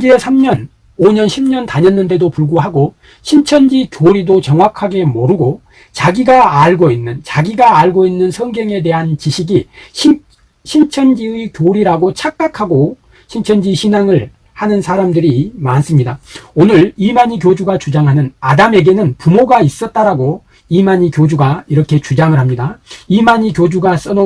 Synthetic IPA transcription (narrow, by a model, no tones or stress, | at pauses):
d͡ʑiesʰamɲʌn | oɲʌnɕʰimɲʌntaɲʌnːɯnde̞dopuɭɡuɦaɡo | ɕʰint͡ɕʰʌnd͡ʑikjoɾidot͡ɕʌŋwakʰaɡe̞mʌɾɯɡo | t͡ɕaɡiɡaːɭɡoinːɯnt͡ɕaɡiɡaːɭɡoinːɯnsʰʌŋɡjʌŋe̞de̞ɦant͡ɕiɕʰiɡiɕi | ɕʰint͡ɕʰʌnd͡ʑiɯikjoɾiɾaɡot͡ɕʰak͈̚akʰaɡo | ɕʰint͡ɕʰʌnd͡ʑiɕʰinaŋɯɭ | hanɯnsʰaɾamdɯɾimans͈ɯmɲidaonɯɾimaɲik̬jod͡ʑuɡat͡ɕud͡ʑaŋɦanɯnadame̞ɡe̞nɯnpumoɡais͈ʌt̚t͈aɾaɡo | imaɲikjod͡ʑuɡaiɾʌkʰe̞t͡ɕud͡ʑaŋɯɭɦamɲidaimaɲikjod͡ʑuɡas͈ʌno